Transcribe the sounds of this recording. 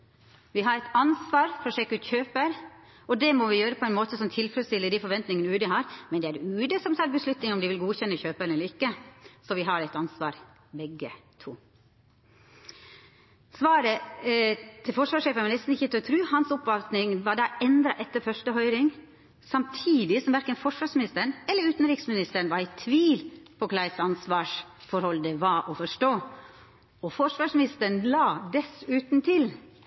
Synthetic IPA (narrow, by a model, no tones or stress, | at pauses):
ʋɪɦɑɾɛt̪ɑnsʋɑːɾfɾɔʂeːkːʉːt̪çøːpəɾ | ɔd̪ɛmɔʋɪjøːɾəpʰɔɛnmoːt̪əsɔmt̪ʰɪlfɾɛlst̪ɪləd̪ifɔɾʋɛnt̪nɪŋənʉːd̪əɦɑːɾmɛnd̪ɛæɾʉːd̪əsɔmsɑbəslʉt̪nɪŋɔmd̪ɪʋɪlɡuːçɛnːəçøːpəɾɛlːɾɪkːəsɔʋɪɦɑɾɛɪt̪ɑnsʋɑ̰ːɾ | bɛɡət̪ʰṵː | sʋɑːɾə | t̪ʰɪlfɔʂʋɑːʂeːfənʋɑnɛst̪n̩ɪçət̪ʰœt̪ʰɾʉːhɑnsɔpʋɑlt̪nɪŋʋɑːɖ̪ɑːʔɛnd̪ɾɑʔɛt̪ːəɾfœʂʈəɦœʏɾɪŋ | sɑmt̪ʰiːd̪ɪsɔmʋæɾkənfɔʂʋɑːʂmɪnɪst̪əəɳɛləɾʉːt̪n̩ɾiːksmɪnɪst̪əɾɳ̩ʋɑɾæɪt̪ʰʋiːlpʰɔkʰlɑɪsɑnsʋɑːʂfɔɾhɔld̪əʋɑʔɔfɔʂʈoː | ɔfɔʂʋɑːʂmɪnɪst̪əɳlɑːd̪ɛsʉːt̪nt̪ʰɪl